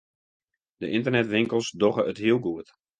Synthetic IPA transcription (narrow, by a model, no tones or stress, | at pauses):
dəʔɪntərnɛtʋɪŋkəlˠsdɔɣəʔətɦiəlˠɡuət